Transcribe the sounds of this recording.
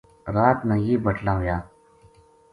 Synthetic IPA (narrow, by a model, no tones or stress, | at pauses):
ɾaːt̪nãjiːbəʈʰlãːʋjaː